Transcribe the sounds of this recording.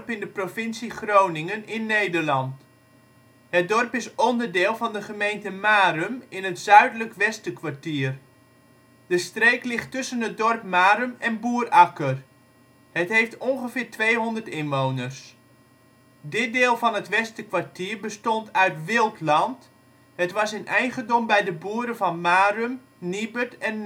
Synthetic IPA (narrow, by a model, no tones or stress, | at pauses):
pɪndəprofɪnsiχrownɪŋənɪnːejdəɹlɑnt | hət̚dɔrpɪsɔndərdɪːlˠvɑndəχəmejntəmaːɾəmɪnətzœɥdələkʋɛstəkʋaɹtiːər | d̥əstrejklɪχtːɵsənɦət̚dɔrpmaːɾəmɛnbuːrɑkər | hətɦejftonχəfɪːɹtʋejɦɔndərtɪnʋoːwnərs | dɪt̚deːlˠvɑnətʋɛstəkʋaɹtiːrbəstɔntʰœɥtʋɪlˠtlɑnt | hətʋɑsɪnʔɛjχəndɔmbɛjdəbuːəɾəvɑnmaːrøm | nibətɛn